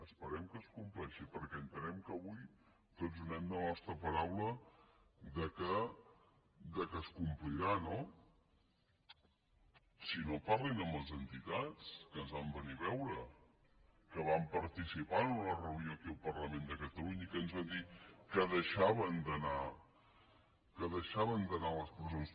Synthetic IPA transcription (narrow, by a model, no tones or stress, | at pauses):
əspəɾɛmkəskumplɛʃipəɾkɛənt̪ənɛmkəβuj | t̪ozðunɛmd̪ənɔst̪ɾəpəɾawlə | ðəkə | d̪əkəskumpliɾano | sinoparlinəməlˠzənt̪it̪at͡skənzβambəniβɛwɾə | kəβampəɾt̪isipanələrəunjoəkiəlˠpərləmend̪əkət̪əluɲəikənzβand̪ikəðəʃaβənd̪əna | kəðəʃaβənd̪ənaləspɾəzons